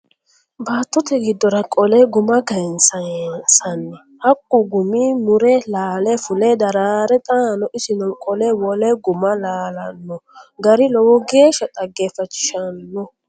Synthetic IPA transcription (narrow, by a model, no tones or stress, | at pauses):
baːt̪ːɔt̪ɛɡɪd̪ːɔɾɐkʼɔlɛɡʊmɐɡɐjnsɐsɐnːɛ | hɐkʼːʊɡʊmiːmʊɾɛlaːlɛfʊlɛd̪ɐɾaːɾɛt̪ʼaːnɔʔɪsɪnɔkʼɔlɛwɔlɛɡʊmɐlaːlɐnːɔɡɐɾɪlɔwɔɡe̞ːʃɐt̪ʼɐɡːeːfɐt͡ʃːɪ̥ʃɐnːɔ